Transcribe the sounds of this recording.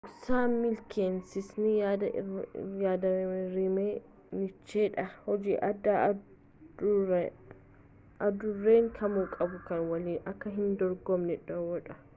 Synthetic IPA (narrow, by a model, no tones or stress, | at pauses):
ʔʊksaːmɪlkʰeːnsɪsnɪad̪ | jaːd̪ɐɾɪmeː | nɪt͡ʃːeːᶑɐhɔd͡ʒiːʔɐd̪a | ɐd̪ʊrːeːŋkʰɐmukʼɐbʊkɐnwɐliːɐkːɐɦɪnd̪ɔɾɡɔmnɛᶑɐwɔᶑɐ̥